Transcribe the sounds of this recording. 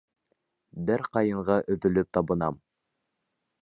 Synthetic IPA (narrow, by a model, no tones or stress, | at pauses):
bɘɾqɑjɤ̆ɴʁɑʔɵ̆ðɵ̆lɵp̚t̪ɑβɤ̆nɑm